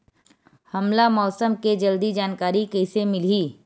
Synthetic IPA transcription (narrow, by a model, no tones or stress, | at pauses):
hɐmlamɔːsəmked͡ʒɐld̪id͡ʒaːnkaːɾikɛːsemɪliː